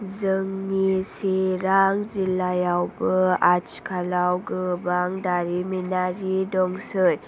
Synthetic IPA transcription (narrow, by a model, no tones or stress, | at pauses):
d͡zəŋniseɾaŋɡd͡zilːajawbəat͡ʃkʰalawɡəbaŋd̪aɾiminaɾidɔŋɡsəj